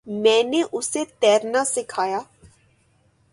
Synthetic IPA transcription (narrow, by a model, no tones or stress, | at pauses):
mɛ̃ːneʔʊset̪ɛːɾnasɪkʰaːjaː